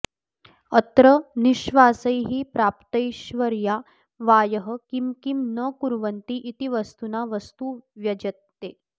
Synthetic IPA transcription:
ət̪ɾɐniʃʋaːsɐjɦipɾaːpt̪ɐjʃʋɐɾja | ʋaːjəɦəkimkimnəkuɾʋɐnt̪iʔːt̪iʋɐst̪unaʋɐst̪uʋjɐd͡ʒɐt̪ːeː

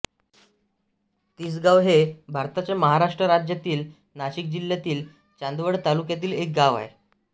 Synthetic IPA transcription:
t̪iːsɡaʋɦebʱaɾt̪at͡ɕjaməɦaɾaʂʈɾəɾad͡ʑjat̪iːl | naɕik̚d͡ʑiljat̪iːl | t͡ɕand̪ʋəɽt̪alukjat̪iːlek̚ɡaʋa̰ḛ

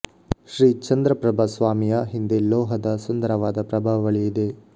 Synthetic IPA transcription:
ʃɾiːt͡ʃɐnd̪ɾɐpɾɐbʱɐsʋaːmijɐɦind̪elːoːɦɐd̪ɐsund̪ɐɾɐʋaːd̪ɐpɾɐbʱaʋɐʋɐɭijid̪e

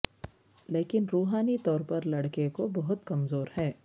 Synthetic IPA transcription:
leːkɪnɾuːɦaːnit̪ɔːɾpɐɾlɐɽkekobɐɦʊt̪kɐmzoːɾhɛː

